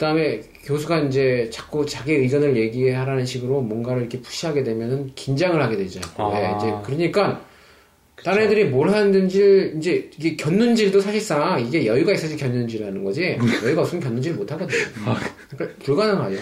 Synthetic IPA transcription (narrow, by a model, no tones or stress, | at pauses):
kɯd̥aɯme̞ | kjos̬ʰuɡaind͡ʑe̞t͡ɕak͈̚ut͡ɕaɡeɯɡʌnɯɭje̞ɡiɦe̞ɦaɾanɯnɕʰiɡɯɾomwʌnɡaɾɯɭiikʰe̞pu̥ɕ͈ʰiɦaɡe̞dwe̞mjʌnɯnkind͡ʑaŋɯɭhaɡe̞dwe̞d͡ʑaje̞id͡ʑe̞kɯɾʌɲik͈an | t͈aɾedɯɾimoɭɦanɯndɯnd͡ʑiɭind͡ʑe̞iɡe̞kjʌnːund͡ʑiɭdosʰaɕʰiɭs͈aŋiɡe̞jʌiɡais͈ɯd͡ʑikjʌnːund͡ʑiɾanɯnɡʌd͡ʑijʌiɡausɯmkjʌnːund͡ʑiɾɭmotʰaɡʌdeɲo | akaɭpuɭɡananɡao